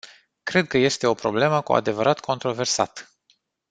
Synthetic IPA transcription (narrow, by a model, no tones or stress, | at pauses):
kɾe̞d̪̚kəje̞st̪e̞o̞pɾo̞ble̞məkua̰d̪e̞vəɾʔat̪kʰo̞nt̪ɾo̞ve̞rsa̰t̪